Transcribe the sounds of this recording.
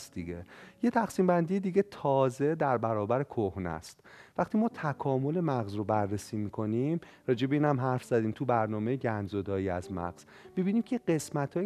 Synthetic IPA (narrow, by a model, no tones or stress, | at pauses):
sd̪iɡejet̪ʰæxsiːmbænd̪ijed̪iːɟet̪ʰɒːze̞d̪æɾbæɾɒːbæɾe̞kʰohnæ̰st̪væxt̪iːmɒːt̪ʰækʰɒːmo̞le̞mæɣzrobærːesiːmiːkʰo̞nim | ɾɒːd͡ʒe̞beiːnhæmɦæɾfz̥æd̪iːmt̪ʰubæɾnɒːmejeɟænzod̪ɒːjiːæzmæ̰ɣz̥ | mibiːniːmcʰeɢe̞smæt̪ʰː